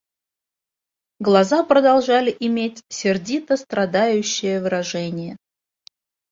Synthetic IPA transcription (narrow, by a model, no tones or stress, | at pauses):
ɡlˠɐzapɾəd̪ɐlˠʐalʲɪʔɪmʲetʲsʲɪrdʲit̪əst̪ɾɐd̪ajʉɕːɪjəvɨɾɐʐɛnʲɪjə